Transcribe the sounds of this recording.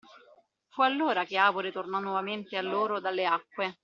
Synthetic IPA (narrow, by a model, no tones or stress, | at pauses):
fualːoːɾakeaːvoɾet̪ornɔnːwɔvament̪ealːoːɾod̪alːeakːwe